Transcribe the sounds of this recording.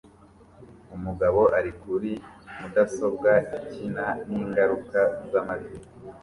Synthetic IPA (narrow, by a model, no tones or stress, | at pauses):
umuɡaβo̞ʔaɾikuɾimudaso̞b̚ɡaicinaniːŋɡaɾukazamazi